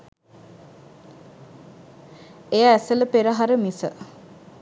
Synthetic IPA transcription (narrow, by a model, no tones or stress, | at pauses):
ejəæsələpeɾəɦaɾəmisə